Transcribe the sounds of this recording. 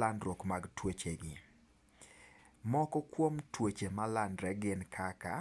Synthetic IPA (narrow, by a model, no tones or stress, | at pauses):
andɾokmaɡtwot͡ʃeɡɪ | mɔkɔkwomtwot͡ʃemalandɾɛɡɪnkʰaka̰